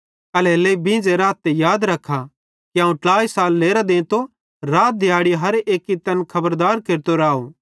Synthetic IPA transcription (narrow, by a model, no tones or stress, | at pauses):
ɐleleibɪ̃ːd͡zeɾaːt̪ːejaːd̪ɾɐkʰːa | kiãːũʈaːisaːlːeːɾad̪ẽːt̪o | ɾaːt̪̚d̪ʱjaːɽiɦɐɾeːkːit̪ɐnkʰɐbəɾd̪aːɾkeːɾt̪oɾaːo